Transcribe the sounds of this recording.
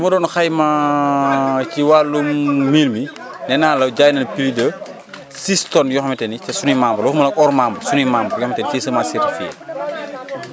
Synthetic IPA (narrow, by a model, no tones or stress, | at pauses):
dumɐdɔːnxɐjmɐ | ciwaːlummiːlmi | nɛnaːlɐwɟaːjnɐnpilidɐ | sistɔnjɔxmɛtɛnicɐsunimambɐluxmɐlɐkɔɾmambɐsunimambɐjɔxmɛtɛnicisɐmasitfiɛ̰